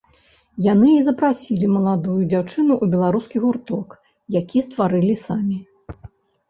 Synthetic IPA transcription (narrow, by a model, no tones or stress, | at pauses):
jan̪ɨizɐpɾasʲilʲimɐlˠad̪ujud͡zʲawt͡ʂɨnuʔubʲɛlˠaɾuskʲiɣurt̪ɔk | jakʲʰist̪vaɾɨlʲisamʲi